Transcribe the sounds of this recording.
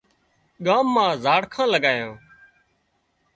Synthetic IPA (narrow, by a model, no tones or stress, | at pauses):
ɠaːmːãːzaːɽkʰãːləɠaːjãː